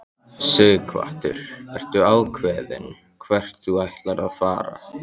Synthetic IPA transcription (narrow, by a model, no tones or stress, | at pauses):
sʏɣkʰva̰ht̪ʏ̰ɾ̥ɛr̥t̪ʏalkʰvɛːðɪ̰n | kʰvɛr̥t̪θuajht̪laɾaðfaːɾa̰